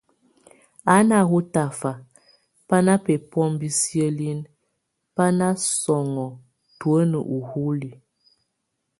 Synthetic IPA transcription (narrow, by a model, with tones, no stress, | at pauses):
a˨˦na˨ɣu˦ta˨fa˨ | pa˦na˦pɛ˨pɔ˦mbi˦sjə˦li˦n | pa˦na˦sɔ˨ŋɔ˨ | twə˦nə˨ʔu˨hu˦li˨